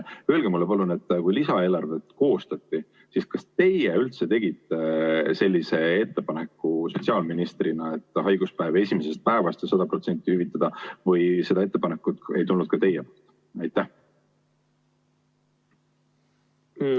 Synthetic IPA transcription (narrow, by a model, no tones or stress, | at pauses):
ø̞elɡ̥emulːepɑlune̞t̪ːˑkujlisɑe̞ːlɑrve̞t̪ko̞ːst̪ɑt̪ːi | siskɑst̪e̞jeylt̪se̞t̪e̞ɡ̥it̪ːˑese̞lʲːise̞et̪ːe̞pɑne̞kːˑusot̪siɑːlminist̪rinɑe̞t̪ːˑhɑjɡ̥uspæeve̞sʲimese̞st̪̚pæevɑst̪jɑsɑd̪̥ɑpro̞t̪se̞nʲt̪ːˑihyvit̪ːˑɑd̪̥ɑvɤjse̞d̪ɑe̞t̪ːe̞pɑnekːˑut̪e̞̰jt̪ulːud̪̥kɑt̪e̞jepolt̪ː | ɑjt̪ːˑæh